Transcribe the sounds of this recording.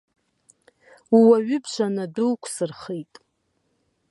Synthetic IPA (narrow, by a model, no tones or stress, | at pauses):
uwaɥʏbʃʷanaduwkʷʰsɨrχejtʼ